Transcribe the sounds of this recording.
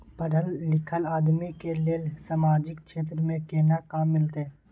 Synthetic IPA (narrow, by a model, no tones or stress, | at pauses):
pəɽəlːɪkʰəlaːd̪mikeleːlsaːmaːd͡ʒɪkʃeːt̪ɾəmẽkeːnakaːmːɪlt̪eɛ̃